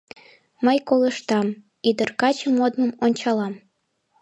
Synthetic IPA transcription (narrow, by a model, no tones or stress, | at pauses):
məjkoləʃt̪ɑm | id̪ərkɑt͡ɕəmod̪mə̆monʲt͡ɕɑlɑm